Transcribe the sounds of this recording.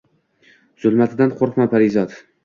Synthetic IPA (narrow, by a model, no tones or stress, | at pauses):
z̥ʊlˠmat̪ʰɪd̪anqʰoɾχmapʰaɾɪzɒt̪